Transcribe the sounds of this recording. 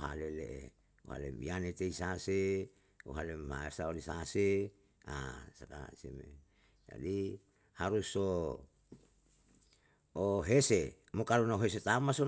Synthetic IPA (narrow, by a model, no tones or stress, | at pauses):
ɦa̰leleʔḛ | uɦa̰lḛmbḭanet̪eisase | uɦalemha̰ersaolisase | a̰saka̰semḛ | d͡ʒa̰di | haɾuso | ɦese | mokalonaoɦes̬et̪amaso